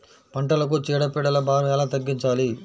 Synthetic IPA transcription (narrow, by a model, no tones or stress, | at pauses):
pɐɳʈɐlɐk̬ut͡ʃiːɽɐpiːɽɐlɐbaːɾɐʋɛːlaːt̪ɐɡːiɲt͡ʃaːli